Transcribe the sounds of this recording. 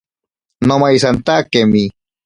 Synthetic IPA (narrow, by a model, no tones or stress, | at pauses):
nomajsant̪akemi